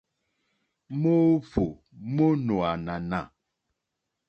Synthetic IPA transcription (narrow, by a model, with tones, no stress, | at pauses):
mo˦fo˨ | mo˦no˨a˨na˨na̰˨